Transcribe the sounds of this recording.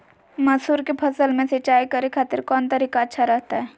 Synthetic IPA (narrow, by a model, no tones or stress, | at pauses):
mɐsuːɾkepʰɐsəlmẽset͡ʃaːikɐɾekʰaːt̪ɪɾkɔːnt̪ɐɾiːkaətːʃʰaɾɛɦt̪aɦɛː